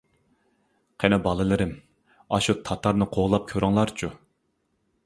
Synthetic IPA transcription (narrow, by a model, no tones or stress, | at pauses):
qʰenɛbɑlˠɨlˠɨɾɪm | ɑʃut̪ʰɑt̪ʰɑɾnɨqʰoʁlˠɑp̚kʲʰøɾɪŋlˠɑɾt͡ʃʰu